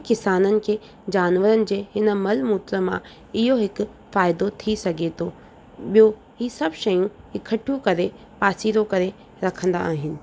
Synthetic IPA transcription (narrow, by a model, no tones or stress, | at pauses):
kɪsaːnənɪ̆kʰeː | d͡ʑaːnʋəɾənɪ̆d͡ʑeːɦɪnə̆mɐlmuːt̪ɾəmã̰ | ɪɦoɦɪkʊ | faːɪd̪ot̪ʰisɐɡʱet̪ʰo | ɓijo | ɦiːsɐbʃɐjũɪkʰəʈʰjũkɐɾe | paːsiːɾokɐɾe | ɾɐkʰə̃nd̪a̰aːɦɪnɪ̆